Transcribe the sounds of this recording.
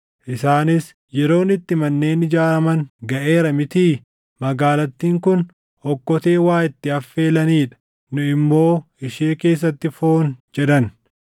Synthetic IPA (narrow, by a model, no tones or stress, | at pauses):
ʔɪsaːnɪs | jɛɾo̞ːnɪt̪ːɪmɐnːe̞ːnɪd͡ʒaːɾɐmɐŋɡɐʔe̞ːɾɐmɪt̪iː | mɐɡaːlɐt̪ːiːŋkʊn | ɔkːɔt̪e̞ːwaːɪt̪ːɪɐfːe̞ːlɐniːᶑɐ̥ | nʊɪmːo̞ːɪʃeːke̞ːs̬ːɐt̪ːɪfo̞ːnd͡ʒɛd̪ɐn